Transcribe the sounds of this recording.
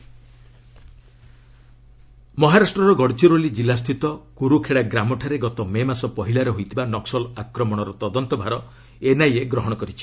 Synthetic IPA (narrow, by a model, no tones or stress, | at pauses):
mɔɦaɾasʈɾɔɾɔɡɔɽt͡ʃuɾolid͡ʒilast̪ʰit̪ɔkuɾukʰeɽaɡɾamɔʈʰaɾeɡɔt̪ɔmemasɔpɔɦilaɾeɦojt̪ʰibanɔksɔlakɾɔmɔɽ̃ɔɾɔt̪ɔd̪ɔnt̪ɔbʱaɾɔ | enajeɡɾɔɦɔɽ̃ɔkɔɾit͡ʃʰi̥